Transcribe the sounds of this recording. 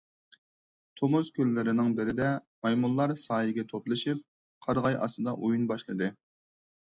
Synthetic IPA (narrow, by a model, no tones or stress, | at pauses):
t̪ʰomuzkʲʰølːɪɾɪnɪŋbɪɾɪd̪ɛmɑjmulˠːɑɾsɑːjɪɡʲɛt̪ʰop̪lˠɨʃip̚ | qʰɑɾʁɑjʔɑ̰sɨd̪ɑʔujunbɑʃlˠɨd̪ɨ